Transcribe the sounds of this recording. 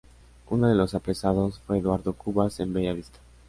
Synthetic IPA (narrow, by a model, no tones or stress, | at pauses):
unoðe̞lo̞sapɾe̞sað̞o̞sfwe̞ːðwaɾðokuβase̞mbeʝaβist̪ḁ